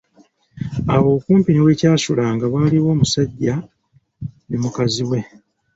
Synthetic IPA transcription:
awo̞ːkuːmpiniwe̞ːcaːsulaːŋɡaβwaːliwo̞ːmusaɟːa | nemukaziwe̞

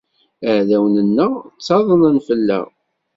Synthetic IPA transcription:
əʕðæwnənːəʁt͡sːɑðˤənənfəlːæ̰

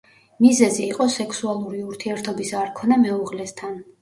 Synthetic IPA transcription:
mizɛziːqʼɔsɛkʰsualˠuɾiuɾt̪ʰiɛɾt̪ʰɔbisaɾkʰɔnamɛuʁlɛst̪ʰan

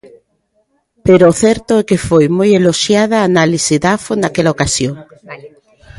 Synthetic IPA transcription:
peɾoːθɛɾt̪oɛkefojmojeloʃjaðaːnalisiðafonakɛlaokasjoŋ

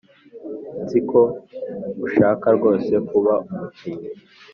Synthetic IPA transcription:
nziko | uʃaːkaɾɡo̞ːse̞kuβaumutʰiɲi

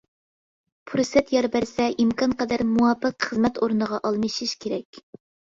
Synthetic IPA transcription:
pʰuɾsɛt̪jɑɾbæɾsɛʔimkʰɑnqʰɑd̪æɾmuwɑpːəqχəzmɛt̪oɾnəʁɑʔɑlˠmɨʃiʃkʲʰeɾɛkʲ

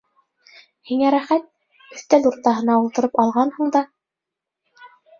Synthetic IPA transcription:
hiŋæɾæχæt̪̚ | ɵ̆θt̪æluɾt̪ɑɦɤ̆nɑulˠt̪ɤ̆ɾɤpɑlˠʁɑnhuɴd̪ɑ

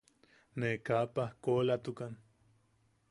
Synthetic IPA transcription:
nekapahkolat̪ukan

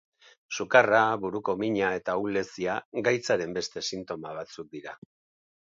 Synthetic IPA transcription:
sukaraβuɾuko̞miɲae̞t̪aule̞siaɡajt͡saɾe̞mbe̞st̪e̞sint̪o̞maβ̞at͡suk̚d̪iɾa

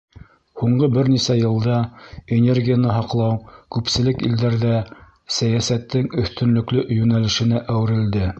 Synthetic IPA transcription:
huɴɢɤbɘɾnisæjɤ̆lˠd̪ɑenʲe̞rɡʲijanɤɦɑqlˠɑwkʉpsɘ̆lɘkḭld̪æɾðæ | sæjæsæt̪ːɘŋɵ̆θt̪ɵ̆nlɵ̆klɵʔjʉnælɘ̆ʃɘ̆næʔæwɘ̆ɾɘ̆ld̪ɘ

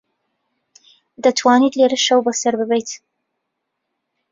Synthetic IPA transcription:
d̪ɐt̪ʰwaːnit̪leɾɨʃɐwbɐsɐɾbɨbɛjt̪

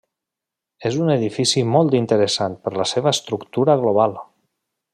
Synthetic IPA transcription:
ezunəðifisimɔlˠt̪int̪əɾəsan̚pəɾləseβ̞əst̪ɾukt̪uɾəɣloβ̞alˠ

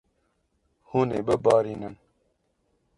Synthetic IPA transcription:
huːneːbəbɑːɾiːnɨn

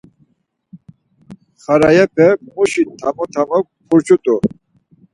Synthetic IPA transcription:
χaɾajɛpʰɛmuʃit̪ʰamɔt̪ʰamɔk̚ | pʰɔɾt͡ʃʰɔt̪ʼɔ

